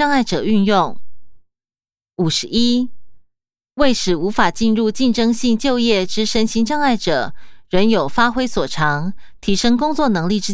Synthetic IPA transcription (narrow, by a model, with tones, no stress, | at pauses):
ɑ˥˧ŋa˥˩ɪʈ͡ʂɤ˨˩y˥˧njʊ˥˩ŋ | u˨˩ʂɻ̩˧˥i˥ | we˥˩ɪʂɻ̩˨˩u˧˥fa˨˩t͡ɕi˥˧nɻu˥˧t͡ɕi˥˨˩nʈ͡ʂɤ˥ŋɕi˥˧ŋt͡ɕjo˥˧ʊjɛ˥˩ʈ͡ʂɻ̩˥ʂə˥nɕi˥nʈ͡ʂɑ˥˧ŋa˥˩ɪʈ͡ʂɤ˨˩˦ɻə˧˥njo˨˩ʊfa˥xwe˥ɪswɔ˨˩ʈ͡ʂʰɑ˧˥ŋt̪ʰi˧˥ʂɤ˥ŋkʊ˥ŋt͡swɔ˥˩nɤ˧˥ŋli˥˩ʈ͡ʂɻ̩˥